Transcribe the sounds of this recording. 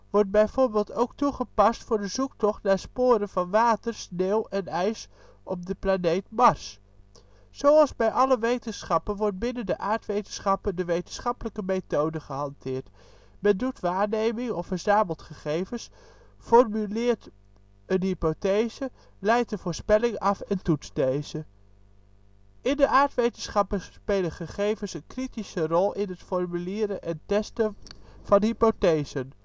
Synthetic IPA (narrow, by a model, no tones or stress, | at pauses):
ʋɔɹt̚bɛjvoːɹbɪːlˠtʰowktuχəpɑstfʊːɹdəzuk̚tɔχtnaːɹspoːɾənvɑnʋaːtəɹsneːwɛnɛjs | ʔɔp̚dəplanejtmɑɹs | z̥owɑlˠzbɛjʔɑləʋejtənsχɑpənʋɔɹt̚bɪnəndəʔaːɹtʋejtənsχɑpəndəʋejtənsχɑpələkəmejtowdəχəɦɑntʰɪːɹt | mɛndutʋaːɹnejmɪŋɔfəɹzaːməlˠtχəχejvəns | fɔrmylɪːɹt | ənɦipotejzə | lɛjt̚dəvʊːɹspɛlɪŋɑfɛntutszdejzə | ɪndəʔaːɹtʋejtənsχɑpəspejləχəχejvənsənkritisərɔlˠɪnɦətfɔɹmylɪːɾəʔɛntɛstəv̥ɑnɦipotejzən